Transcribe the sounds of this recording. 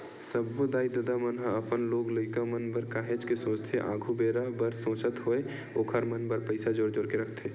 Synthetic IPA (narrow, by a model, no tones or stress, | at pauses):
səbːod̪aːid̪əd̪amənɦəəpənloːɡləɪkamənbəɾkaːɦed͡ʒkesõːt͡ʃt̪ʰeʔã̰ːɡʱubeːɾabəɾsõːt͡ʃət̪ɦoe | oːkʰəɾmənbəɾpəɪsad͡ʒoːɾd͡ʒoːɾkeɾəkʰt̪ʰeː